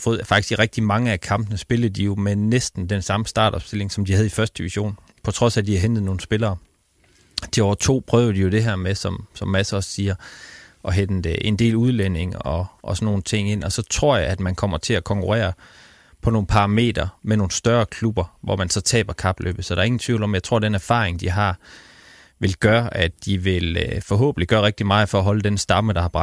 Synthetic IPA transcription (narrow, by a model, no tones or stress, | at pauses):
fɔ̽ːð̩ˠfɑ̈ɡ̥isɡ̥iʁɛɡ̥̚d̥imɑ̈ŋəækʰɑ̈mb̥nəsb̥e̝lð̩ˠd̥ijo̝menesd̥n̩d̥ensɑ̈məsd̥ɑ̈ːd̥ɒ̽b̥sd̥e̝le̝ŋsɒ̽md̥ihæð̞̩ˠifɶɐsd̥d̥iʋiɕo̝̰ːn | pʰɒ̽t͡sʰʁɒ̽sæd̥ihæɦend̥ð̩ˠno̝ːn̩sb̥e̝lɐː | d̥iɒʊt͡sʰo̝̰ːpʰʁœːʊð̩ˠd̥ijo̝d̥e̝ɦæɐmesɒ̽msɒ̽mːæsəɒ̽ssiːɐʔɒ̽ɦend̥əʔe̝nd̥e̝̰ːluð̞ˠlen̰e̝ŋɒ̽ʔɒsnːo̝ːn̩t͡sʰe̝ŋ̰e̝n̰ɒ̽sɒ̽t͡sʰʁo̝ɐ̰jɑ̈ɪæd̥mænkʰɒ̽m̰ɐt͡sʰe̝ækʰɒ̽ŋkʰuʁɛ̰ːɐ | pʰɒ̽no̝ːn̩pʰɑ̈ʁɑ̈me̝̰ːd̥ɐmeno̝ːn̩sd̥ɶɐkʰlub̥ɐʋɒ̰mænsɒ̽t͡sʰɛ̰ːb̥ɐkʰɑ̈b̥lʔø̰ːb̥̩sɒ̽d̥ɑ̈ɐe̝ŋn̩t͡sʰʋḭːʊlɒ̽mjɑ̈ɪt͡sʰʁo̝ɐ̰d̥enæɐfɑ̰̈ːʁeŋd̥iɦɑ̈ | ʋe̝lɡ̥ɶːɐʔædd̥iʋe̝lfɒ̽ɦɔ̰ːb̥n̩liɡ̥ɶːɐʁeɡ̥̚d̥imɑ̈ːð̩ˠfɒ̽æɦɒ̽ləd̥ensd̥ɑ̈məɾ̥ɑ̈hɑ̈b̥ʁɑ